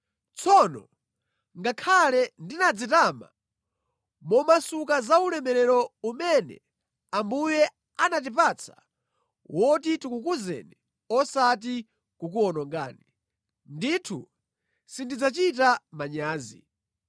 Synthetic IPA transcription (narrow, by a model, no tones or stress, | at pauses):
t͡sʰɔnɔ̰ | ŋɡakʰalɛndinad͡zitama̰ | mɔmasukazaulɛmɛɾɛɾɔumɛnɛ̰ | ambujɛ | anat̬ip̬at͡sʰḁ̰ | wʔɔtitikukuzɛ̰nɛ | ɔsat̬i | kuk̬uɔnɔŋɡa̰ːni | nditʰṵ | sindid͡zat͡ʃit̬amaɲaːzḭ